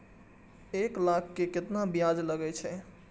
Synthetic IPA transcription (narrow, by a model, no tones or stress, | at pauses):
eklakʰːeket̪nabijad͡ʒləɡɛt͡ʃʰɛ